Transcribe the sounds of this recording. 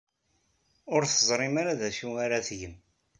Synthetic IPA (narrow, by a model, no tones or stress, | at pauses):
ʊɾθəzˤɾˤɪmaɾaðæʃuaɾaθʝəm